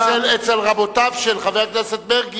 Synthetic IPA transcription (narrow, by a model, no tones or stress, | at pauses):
elet͡selʁabot̪avʃelχaveʁkneset̪̚beʁɡ